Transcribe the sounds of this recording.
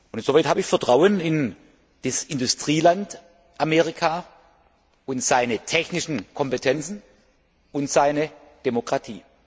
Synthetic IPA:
ʔʊnɪnz̥ovaɪthaːbəɪçfɛɐtʁ̥aʊənɪn | d̥isɪndʊstʁ̥iːlant | ʔameːʁɪkʰaː | ʊntz̥aɪnətʰɛçnɪʃn̩kʰɔmpetʰɛnt͡sn̩ | ʊntz̥aɪnə | d̥emokʁ̥atʰḭː

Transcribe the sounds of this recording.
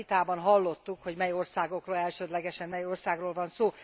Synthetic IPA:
it̪aːbɒnɦɒlːo̞t̪ːukho̞ɟmɛjo̞rsaːɡo̞kroːlɛlʃøːd̪lɛɡɛʃɛmmɛjorsaːɡroːlvɒnsoː

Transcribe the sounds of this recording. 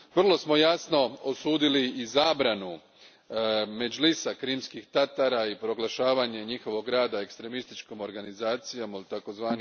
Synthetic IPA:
ʋr̩lˠo̞smo̞jasno̞osuːd̪iliːzaːbɾanu | me̞d͡ʒlisakɾiːmskixt̪at̪aɾaipɾo̞ɡlˠaʃaːʋaɲeɲixo̞ʋo̞ɡɡɾaːd̪ae̞kst̪ɾe̞mist̪it͡ʃkomo̞ɾɡanizaːt̪sijamlt̪ako̞zʋaːni

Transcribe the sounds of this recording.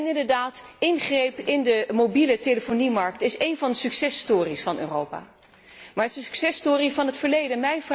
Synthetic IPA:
nɪndəɹdaːtɪnχrejpɪndəmowbiləteləfonimɑɹk̚tɪsejnvɑndəsyksɛstʊːrisfɑnø̰ːrowpa̰ː | maːsksɛstʊːrivɑnɦətfəɹlejdənmɛjnv

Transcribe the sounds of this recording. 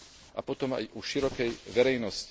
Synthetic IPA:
ʔa̰pɔt̪ɔma̰jʔuʃiɾɔkɛjʋɛɾɛjnɔsc

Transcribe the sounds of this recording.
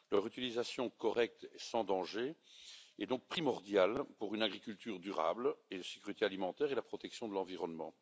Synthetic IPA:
lœʁyt̪ilizasjɔ̃kɔʁɛk̚t̪ɛsɑ̃d̪ɑ̃ʒe | ɛd̪ɔ̃k̚pχimɔʁd̪jalpuʁynaɡʁikʲylt̪yːʁd̪yʁa̰bled̪əse̥kʲyʁit̪ealimɑ̃t̪ɛːʁelapχɔt̪ɛksjɔ̃d̪əlɑ̃viʁɔnmɑ̰̃

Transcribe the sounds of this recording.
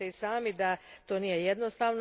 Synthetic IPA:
eisaːmid̪at̪o̞ːniːjejed̪nost̪aːʋn

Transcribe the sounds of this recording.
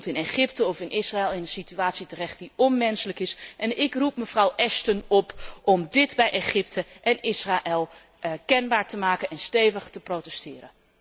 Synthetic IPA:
tɪneχɪptəɔfɪnʔɪsraɛlˠɪnənsityaːtsitərɛχt̚diɔnmɛnsələkɪsʔɛnɪkrupməv̥rʌwʔɛstənɔpʔɔmdɪtbɛjʔeχɪptəʔɛnɪsraʔɛlˠ | kɛnbaːɹtəmaːkənɛnstejvəχtəprotɛstɪːɾə̰

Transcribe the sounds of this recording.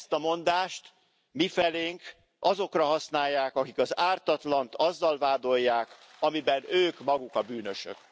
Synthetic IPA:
st̪ɒmo̞nd̪aːʃt̪ | mifɛleːŋk | ʔɒzo̞krɒɦɒsnaːjːaːkɒkikɒzaːrt̪ɒt̪lɒnt̪ʰɒzːɒlvaːd̪o̞jːaːk | ɒmibɛnøːkmɒɡukɒbyːnø̞ʃø̰k

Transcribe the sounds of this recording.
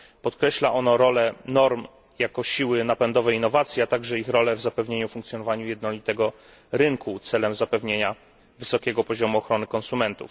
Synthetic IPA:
pɔt̪kɾɛɕlaʔɔnɔɾɔlɛnɔɾm | jakɔɕiwɘnapɛnd̪ɔvɛjinːɔvat̪sʲjiat̪aɡʐɛixɾɔlɛvzapɛvɲeɲufuŋkt̪sʲjɔnɔvaɲujɛd̪nɔlʲit̪ɛɡɔ | ɾɘŋkʰut̪sɛlɛmzapɛvɲeɲa | vɘsɔkʲeɛɡɔpɔʑɔmuɔxɾɔnɘkɔnsumɛnt̪ṵf

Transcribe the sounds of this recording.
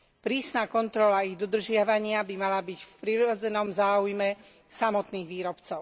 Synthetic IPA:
pɾiːsnaːkɔnt̪ɾɔlaiɣd̪ɔd̪r̩ʒɪaʋaɲɪabimalabicfpɾiɾɔd͡zɛnɔmzaːujmɛ | samɔt̪niːɣʋiːɾɔpt͡sɔʊ

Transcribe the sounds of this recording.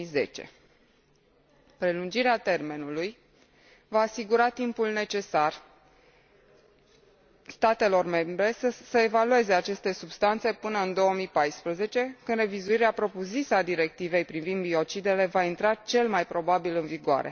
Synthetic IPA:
ize̞̰t͡ʃe̞̰ | pɾe̞lund͡ʒiɾeat̪e̞rme̞nuluj | vaːsiɡuɾat̪impulne̞t͡ʃe̞sar | st̪at̪e̞lo̞rme̞mbɾe̞əsəe̞value̞ze̞at͡ʃe̞st̪e̞subst̪ant̪se̞pɨnəɨnd̪o̞omipajspɾəze̞t͡ʃe̞kɨnɾe̞vizuiɾeapɾo̞puzit̪sead̪iɾe̞k̚t̪ive̞jpɾivind̪bio̞t͡ʃid̪e̞le̞vaint̪ɾat͡ʃe̞lmajpɾo̞babilɨnviɡoa̰ɾe̞̰

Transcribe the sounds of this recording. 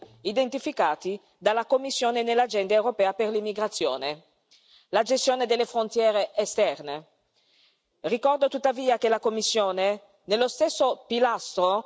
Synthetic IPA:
id̪ent̪ifikaːt̪i | d̪alːakomːisːjoːnenelːad͡ʒɛnd̪eewɾopɛːaperlimːiɡɾat̪sːjo̰ːne | lad͡ʒest̪joːned̪elːefɾont̪jɛːɾeʔːst̪ɛrne | rikɔrd̪ot̪ut̪ːaviːakelakomːisːjoːne | nelːost̪esːopilast̪ɾo

